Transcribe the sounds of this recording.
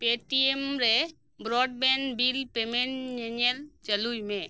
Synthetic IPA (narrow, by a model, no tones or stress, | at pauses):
peʈiemɾe | bɾɔɖbɛnbilpemeɳʈɲeɲəlt͡ʃəlujmẽ